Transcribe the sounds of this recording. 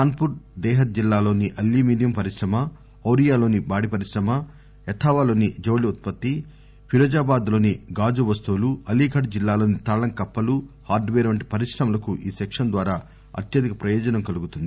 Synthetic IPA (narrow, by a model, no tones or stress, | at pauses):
kaːnpuɾʈd̪ɛːɦɐt̪̚d͡ʒilːaːlo̞ːniʔɐlːiːmiːɖijɐmpɐɾiʂɾɐmɐ | ɐwɾijaːlo̞ːnibaːɽipɐɾisɾɐmɐ | ɛt̪ʰaːʋaːlo̞ːnid͡ʒo̞ːliut̪̚pɐt̪ːi | pʰiɾoːd͡ʒaːbaːd̪lo̞ːniɡaːd͡ʒuʋɐst̪uːluɐlːiːɡʰɐɖd͡ʒilːaːlo̞ːnit̪aːɭɐŋkɐpːɐluhaːɾɖʋeːɾɐʋɐɳʈi̥pɐɾiʂɾɐmɐlɐkuʔiːsɛkʂɐnd̪ʋaːɾaː | ɐ̰t̪jɐd̪ikɐpɾɐjɔːd͡ʒɐnɐmkɐluɡut̪und̪i